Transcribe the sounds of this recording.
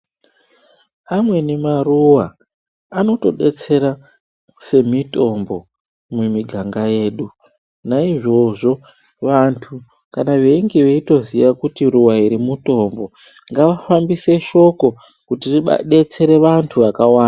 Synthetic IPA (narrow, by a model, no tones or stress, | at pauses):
amwe̞nemaruwa | ano̞to̞ɗe̞t͡se̞ɾa | se̞mito̞mbo̞ | mumiɡʱaŋɡaje̞ːɗu | naiʐo̞ʐo̞ | ʋantʰu | kanaʋe̞iŋɡiʋe̞ito̞zijakutiruwaiɾimuto̞mbo̞ | ŋɡaʋafambise̞ʃo̞ko̞ | kutiriɓ̰ɗe̞t͡se̞ɾe̞ʋantʰuʋakawaːna